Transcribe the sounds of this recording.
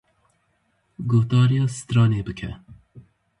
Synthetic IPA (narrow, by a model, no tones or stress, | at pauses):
ɡohd̪ɑːɾijɑːsɨ̥t̪ɾɑːneːbɨkʰɛ̰